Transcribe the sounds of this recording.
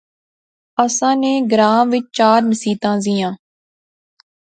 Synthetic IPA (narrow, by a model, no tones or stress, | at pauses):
əsãːneːɡɾãːʋɪt͡ʃt͡ʃaːɾnəsiːt̪ãːziːjãː